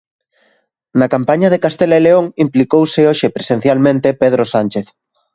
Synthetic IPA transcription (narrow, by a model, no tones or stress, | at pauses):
nakampaɲað̞ekast̪eleleoŋimplikowseoʃepɾesẽn̟θjalmẽnt̪epeð̞ɾosanʲt͡ʃeθ